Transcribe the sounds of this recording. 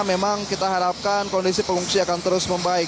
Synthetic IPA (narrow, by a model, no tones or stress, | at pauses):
memaŋkit̪aɦaɾap̚kankɔndisipəŋuŋsiakant̪əɾʊsməmbaɪk